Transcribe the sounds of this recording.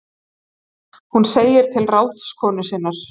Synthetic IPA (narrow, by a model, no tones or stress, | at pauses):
hunseːjɪɾ̥t̪ʰɪlrawt̪skʰɔːnʏsɪnːaɾ̥